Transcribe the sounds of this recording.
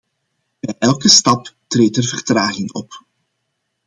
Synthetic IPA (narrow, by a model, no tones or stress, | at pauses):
b̥ɛjʔɛlˠkəstɑptreːtərvərtraːɣɪŋɔ̰p